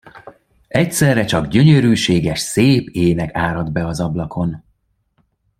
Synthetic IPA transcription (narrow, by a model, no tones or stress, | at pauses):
ɛcsɛrːɛt͡ʃɒɡɟø̞ɲøɾyːʃeːɡɛʃseːpeːnɛkaːɾɒd̪bɛɒzɒblɒkʰo̞n